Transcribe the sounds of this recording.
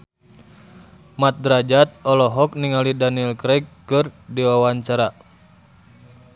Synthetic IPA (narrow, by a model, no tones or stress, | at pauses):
mat̪̚dɾad͡ʒat̪̚ɔlɔɦɔk̚niŋalidaniɛlkɾɛkːɨrdiwawaɲt͡ʃaɾa